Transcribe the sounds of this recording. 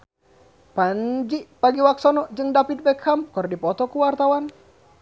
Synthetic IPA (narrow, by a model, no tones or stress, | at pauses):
paɲd͡ʒiʔpaɡiwak̚sɔnɔd͡ʒɨŋdapit̪̚bɛkʰːamkɔrdipɔt̪ɔkuwart̪awan